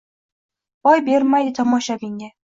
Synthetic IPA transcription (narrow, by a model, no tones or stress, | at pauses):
ɒjbe̞ɾmajd̪ɪt̪ʰɒmɒʃabɪŋa